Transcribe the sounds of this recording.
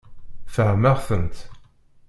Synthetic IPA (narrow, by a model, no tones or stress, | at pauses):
fəʕməʁθənt̪